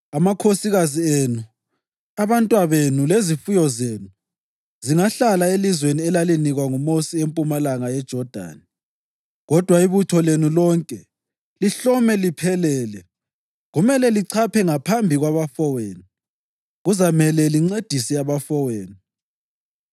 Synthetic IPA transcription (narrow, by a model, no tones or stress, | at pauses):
amakʰosiɣazienu | aβantʼwaβenulezifujɔzeːnu | ziŋaɬalaelizweniɛlaliniɣwaŋumosiempʼumalaŋajɛd̥ʒ̥ʱɔd̥ʱa̰ːni | ɣɔd̥ʱwaiβutʰɔlenulɔŋkʼɛ | liɬɔmɛlipʰɛlɛːlɛ | ɣumɛlɛliǀʰapʰɛŋapʰambʱiɣwaβafɔweːni | ɣuzamɛlɛliŋ͡ǀed̥ʱisɛaβafɔweːni